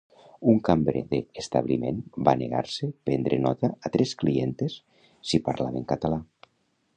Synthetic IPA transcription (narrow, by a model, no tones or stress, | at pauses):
uŋkambɾeðeːst̪a̰βlimenbanḛɣa̰ɾsepend̪ɾenɔt̪aːt̪ɾʔesklient̪esː | ipaɾlaβeŋkat̪ala